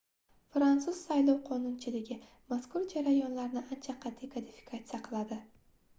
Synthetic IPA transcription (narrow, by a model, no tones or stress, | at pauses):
fɾant̪sʊz̥sajlˠɒwqʰɒnʊnt͡ʃʰɪlɪɡʲɪ | maskʊɾd͡ʒaɾajɒnlaɾnɪʔant͡ʃʰaqʰɑt̪ʰːikʰad̪ifi̥kʰat̪sɨjaqʰɨlˠad̪ɪ